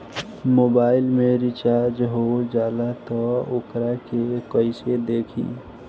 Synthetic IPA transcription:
moːbaːɪlmẽɾit͡ʃaɾd͡ʒɦod͡ʒaːlat̪ɔokɾakekəɪsed̪eːkʰḭ̃

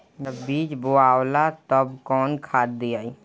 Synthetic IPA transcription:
d͡ʒəbːiːt͡ʃboaːwlat̪əbkɔːnkʰaːd̪̚d̪iaːi

